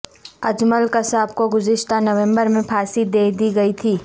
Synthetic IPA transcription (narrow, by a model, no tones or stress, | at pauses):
ɐd͡ʒməlkɐsaːb̚koɡʊzɪʃt̪anɐʋẽmbəɾmẽpʰaːsid̪eːd̪iɡɐit̪ʰiː